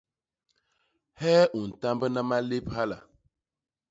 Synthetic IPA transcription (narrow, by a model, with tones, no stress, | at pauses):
hɛː˦ʔu˨n̩˨ta˦mbə˦na˦ma˦le˦pha˦la̰˨